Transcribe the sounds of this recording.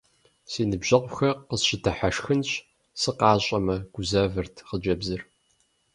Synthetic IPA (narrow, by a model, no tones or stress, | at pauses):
seːnɨbʒ̥ɐqʷxɐqəsɕɪtʰɐħaʂxɨnɕ | sɨqɑːɕʼɐmɐɡ̥ʷʊzɐvɨrtʰqəd͡ʒɐbzɨr